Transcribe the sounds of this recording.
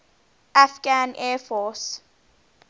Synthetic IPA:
ʔafɡanʔɛfɔs

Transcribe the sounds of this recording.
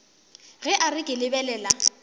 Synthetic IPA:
ɣɛʔarɪkʼɪlɪbɛlɛːla

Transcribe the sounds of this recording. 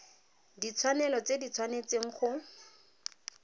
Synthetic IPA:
dit͡sʰwanɛlɔt͡sedit͡sʰwanet͡seŋ̩χʊ

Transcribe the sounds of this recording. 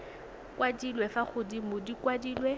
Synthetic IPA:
kwadilwɛfaχʊdimʊdikwadiːlwɛ

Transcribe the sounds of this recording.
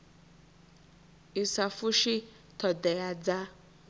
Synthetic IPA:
isafʊʃi | tʰɔdɛjad͡za

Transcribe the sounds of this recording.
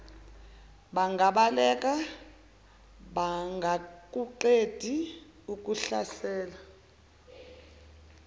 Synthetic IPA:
ɓaŋɡʱaɓalɛk̬ʼa | ɓaŋɡʱak̬ʼuǃed̥ʱi | uk̬ʼuɬasɛːla

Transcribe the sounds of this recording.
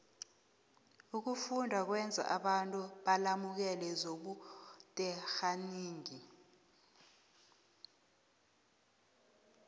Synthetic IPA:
uk̬ufundʱak̬wɛnd͡zʱa̰ʔaɓantʼuɓalamuk̬ɛlɛzoɓutʼɛxaniːŋi

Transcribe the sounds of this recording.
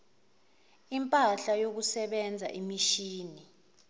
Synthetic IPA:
impʼaɬajok̬usɛɓɛnd͡zʱa̰ʔimiʃiːni

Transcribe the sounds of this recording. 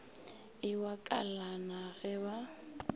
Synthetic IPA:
ɪwakʼalanaɣɛwa

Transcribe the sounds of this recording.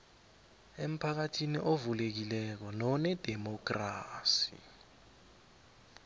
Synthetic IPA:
em̩pʰak̬atʰiniʔovulek̬ilɛk̬ɔnɔnɛd̥ʱɛmɔk̬ʼraːsḭ

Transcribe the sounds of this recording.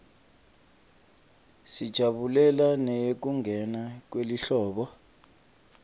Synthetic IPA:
sid̥ʒ̥ʱaɓulɛlanɛjek̬uŋɡʱɛnak̬weliɬɔːɓɔ

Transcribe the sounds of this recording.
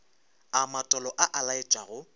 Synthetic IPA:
amatʼɔlɔʔaʔalaɪt͡ʃʼaɣʊ

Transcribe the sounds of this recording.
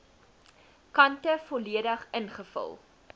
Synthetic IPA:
kɐntəfɔliədəχənχəfɐ̰lˠ

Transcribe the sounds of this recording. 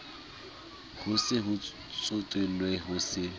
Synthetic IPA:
hʊsɪɦʊ | t͡sʼʊtʼwelwɛɦʊsɪ

